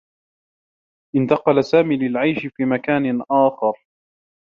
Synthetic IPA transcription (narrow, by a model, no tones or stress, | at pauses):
ʔɪnt̪ɑqɑlasaːmiːlɪlʕajʃɪfiːmakaːnɪʔaːxɑɾ